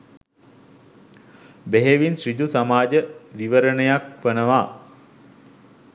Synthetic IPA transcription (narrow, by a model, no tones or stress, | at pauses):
beɦeʋinsɾid̪usamaːd͡ʒəʋiʋəɾənəjakʋənəʋaː